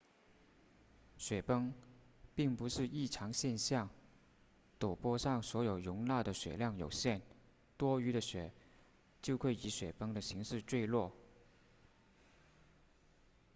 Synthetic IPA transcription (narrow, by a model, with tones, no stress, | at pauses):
ɕɥɛ˨˩pɤ˥ŋ | pi˥˩ŋpu˧˥ʂɻ̩˥˧i˥˩ʈ͡ʂʰɑ˧˥ŋɕjɛ˥˧nɕjɑ˥˩ŋ | t̪o˨˩pwɔ˥ʂɑ˥˩ŋswɔ˧˥jo˨˩ʊɻʊ˧˥ŋna˥˩d̪ə˩ɕɥɛ̰˨˩ljɑ˥˩ŋjo˨˩ʊɕjɛ˥˩n | t̪wɔ˥y˧˥ɾə˧ɕɥɛ˨˩˦ | t͡ɕjo˥˧ʊkʰwe˥˩ɪi˧˥ɕɥɛ˨˩pɤ˥ŋd̪ə˨ɕi˧˥ŋʂɻ̩˥˧t͡swe˥˧ɪlwɔ˥˩